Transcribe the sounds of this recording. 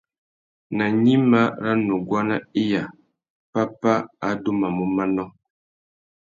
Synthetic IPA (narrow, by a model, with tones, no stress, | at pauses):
na˨ɲi˦ma˦ɾa˦no˨ɡwa˦na˦i˦ja˨ | pa˦pa˦a˨do˦ma˨mo˦ma˦nɔ˦